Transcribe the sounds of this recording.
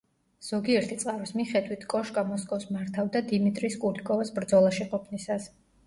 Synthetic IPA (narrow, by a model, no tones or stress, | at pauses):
z̥ɔɡiɛɾt̪ʰit̪sʼqʼaɾismiχɛd̪wit̪ʰkʼɔʃkʼamɔskʼɔfsmaɾt̪ʰavd̪ad̪imit̪ʼɾiskʼuɾlikʼɔvasbɾd̪zɔlˠaʃiqʼɔpʰnisas